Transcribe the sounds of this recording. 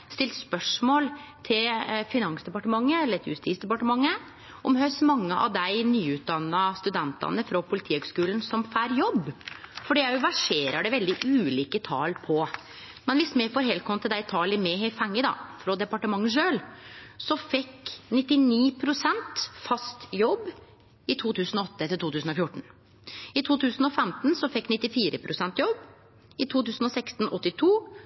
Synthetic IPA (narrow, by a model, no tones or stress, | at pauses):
st̪ɪlt̪spœʂmoːlt̪ʰɪlfɪnɑŋsd̪ɛpɑʈəmɑŋːəɛlːəɾɛt̪jʉ̰st̪iːt̪sd̪ɛpɑʈəmɑŋːə | ʔɔmhœsmɑŋːəʔɑ̰ʋd̪æɪnyːʉːt̪̚d̪ɑnːɑst̪ʉd̪ɛnt̪ɑ̰nəfɾɔpʰʊlɪt̪ʰiːhøɡskʉːln̩sɔmfæːɾjɔbːfɔɖiːjæɪʋæʂeːɾɑɖɛʋɛld̪ɪʔʉːliːkət̪ʰɑ̰ːlpʰɔ | mɛnʋɪsmɛfɔːɾɦɛːlkʰɔmt̪ʰɪld̪æɪt̪ʰɑːlɪmɛhefæŋːəd̪ɑ̰fɾɔd̪ɛpɑʈəmɑŋːəʂøːlsɔfɛkːnɪt̪ːɪniːpʰɾʊsɛnt̪fɑst̪jɔbː | ɪt̪ʰuːt̪ʰʉːsn̩ɔɔt̪ːət̪ʰɪlt̪uːʉːsn̩ɔfjʊʈːɳ̩ | ɪt̪ʰuːt̪ʰʉːsn̩ɔfɛmt̪nsɔfɛkːnɪt̪ːɪfiːɾəpʰɾʊsɛnt̪jɔb | ɪt̪ʰuːt̪ʉːsn̩ɔsɛkst̪n̩ʔɔt̪ːɪt̪ʰuː